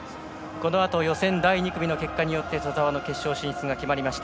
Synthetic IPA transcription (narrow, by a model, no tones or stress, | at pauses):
ko̞no̞at̪o̞jo̞sẽ̞nd̪aiɲ̟ikɯ̟bʲino̞ke̞kːaɲ̟ijo̞t̪ːe̞sozaβano̞ke̞ɕːo̞ːɕĩɕi̥t͡sɨɡakʲimaɾʲimaɕi̥t̪a